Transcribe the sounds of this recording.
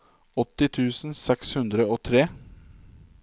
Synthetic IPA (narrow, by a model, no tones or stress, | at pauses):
ɔt̪ːɪt̪ʰʉːsn̩sɛkshʉnd̪ɾəoːt̪ʰɾeː